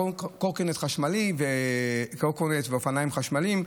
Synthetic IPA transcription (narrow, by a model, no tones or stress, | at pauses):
kokenet̪χaʃmalivekokonet̪veofanaimχaʃmalim